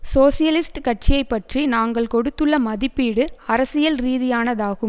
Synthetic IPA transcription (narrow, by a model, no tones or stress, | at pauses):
soːsɪjɐlɪsʈkɐʈ̚t͡ʃɪjɐɪpːɐʈrinaːŋɡɐɭkɔɽɯt̪ːɯɭːɐmɐðɪpːiːɽɯɐɾɐsɪjɐlɾiːðɪjaːnɐðaːɣɯm